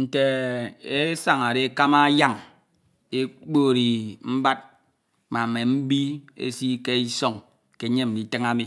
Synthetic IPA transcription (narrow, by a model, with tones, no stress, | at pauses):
n̩˨te˨e˦sa˨ŋa˨ɾe˦ka˦ma˦ja˦˨ŋ | e˦k͡po˦˨ɾi˨m̩˦ba˦t̚ | ma˨me˨m̩˦bi˦ḛ˦si˦ke˦i˦so˦ŋ | ke˨˦ɲe˦m̩˨di˨tɨ˦ŋa˦mi˨